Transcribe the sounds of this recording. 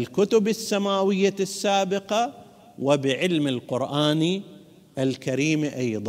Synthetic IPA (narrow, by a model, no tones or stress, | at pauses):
ɪlkʊt̪ʊbɪsːamaːwɪjːasːaːbɪqa | wɪbɪʕɪlmɪlqʊɾʔaːni | ʔalkaɾiːmʔɑjðˤɑ